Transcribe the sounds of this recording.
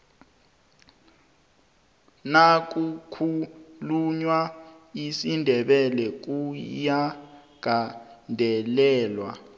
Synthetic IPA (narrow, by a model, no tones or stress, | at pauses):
nak̬ʼukʰuluɲwa | isindʱɛɓɛlɛk̬uja | ɡ̥ʱandʱɛlɛːlwa̰